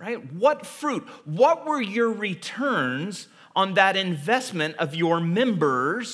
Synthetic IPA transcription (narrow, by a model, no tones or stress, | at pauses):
ɹaɪt̚wʌtfɹut̚wʌt̚wə˞jə˞ɹitʰɜ̃˞nz̃ | n̩ðɨɾɪ̃ɱvɛsmɨ̃ntʌvjə˞mɛ̃mbə˞z̥